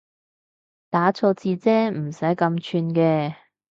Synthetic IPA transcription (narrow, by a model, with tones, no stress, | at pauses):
t̪aː˨˥t͡sʰoː˧t͡siː˧t͡sɛː˥m̩˨˩sɐ˨˥jkɐ˧mt͡ʃʰyː˧nkɛː˧